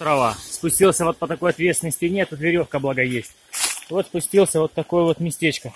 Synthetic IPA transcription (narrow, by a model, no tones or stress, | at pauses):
t̪ɾɐvaspʊsʲtʲilˠsʲəvo̞t̪̚pət̪ɐko̞jɐt̪vʲet̪st̪ʲɪnːəsʲtʲɪnʲet̪ʊt̪vʲɪɾʲo̞fkəblˠɐɡɐjesʲtʲvo̞t̪spʊsʲtʲilˠsʲəvo̞t̪ːɐko̞jəvo̞t̪mʲɪsʲtʲet͡ɕkə